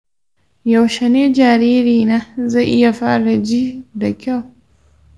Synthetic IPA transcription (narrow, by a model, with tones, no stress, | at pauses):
ja˨wʃɛ˨neː˦d͡ʒaː˨ɾiː˦ɾiː˨naː˦za˦˨ʔɪ˦ja˨ɸaː˦ɽa˨d͡ʒiː˦da˨kʲa˦˨w